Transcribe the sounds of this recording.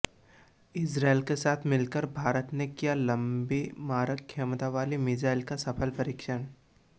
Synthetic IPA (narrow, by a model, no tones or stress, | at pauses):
ɪsɾaːelkesaːt̪ʰmɪlkəɾbʱaːɾət̪nekijalɐ̃mbimaːɾəkʰːemt̪aʋaːlimɪd͡ʒaːɪlkasɐpʰəlpɐɾikʃən